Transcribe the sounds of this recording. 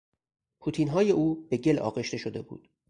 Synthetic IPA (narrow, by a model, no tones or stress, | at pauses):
pʰuːt̪ʰiːnɦɒːje̞ʔuːbeɟe̞lɒ̰ːɣe̞ʃt̪e̞ʃod̪e̞bṵːd̪̥